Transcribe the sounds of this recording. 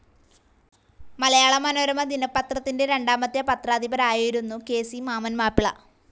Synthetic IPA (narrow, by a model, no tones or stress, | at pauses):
mɐlɐjaːɭɐmɐno̞ːɾɐmɐd̪inɐpːɐt̪rɐt̪ːinde̞ɾe̞ɳɖaːmɐt̪ːjɐpɐt̪raːd̪ibɐɾaːjiiɾunːuke̞ːsimaːmɐnmaːpːiɭɐ̰